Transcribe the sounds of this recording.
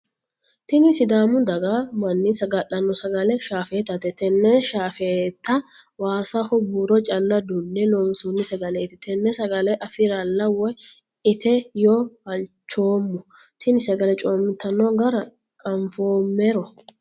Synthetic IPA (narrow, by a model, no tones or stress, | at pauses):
t̪ɪnɪsɪd̪aːmʊd̪ɐɡamɐnːɪsɐɡɐʔɐnːɔsɐɡɐlɛʃaːfeːt̪ːɐt̪ɛt̪ɛnːɛʃaːfet̪ːɐ | waːsɐhʊbuːɾɔt͡ʃʼɐlːɐd̪ʊnːɛnoːmsunːɪsɛɡɐlɛt̪ɪt̪ʰɛnːɛsɐɡɐlɛʔɐfɪɾɐlːɐwɔj | ɪt̪ɛjoɐnt͡ʃːoːmːʊ | t̪ʰɪnɪsɛɡɐlɛt͡ʃʼo̞ːmːɪt̪ːɐnːɔɡɐɾɐ | ɐɱfoːmːɛɾɔ